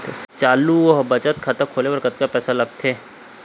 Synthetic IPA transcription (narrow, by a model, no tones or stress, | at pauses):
t̪et͡ʃaːluɔɦbɐt͡ʃət̪kʰɐt̪əkʰoːleʋɐɾkət̪̚kapɛːsalɐɡ̚t̪ʰeː